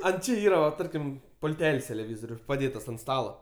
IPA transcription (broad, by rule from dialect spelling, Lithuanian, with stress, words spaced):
ɐnt ˈt͡ʃʲɪ ˈiːrɐ ʋɐ ˈtɐrʲkʲɪm pʊlʲˈtʲɛlʲsʲ tʲɛlʲɛˈʋʲiːzoːrʲʊ pɐˈdʲeːtɐs ɐnt ˈstɑːlˠoː